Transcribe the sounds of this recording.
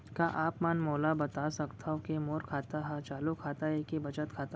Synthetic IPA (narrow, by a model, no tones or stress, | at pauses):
kaʔaːpmaːnmoːlabɐt̪asɐkt̪ʰaokemoːɾkʰaːt̪aɦɛt͡ʃaːlukʰaːt̪aɦɛkebɐt͡ʃət̪kʰaːt̪a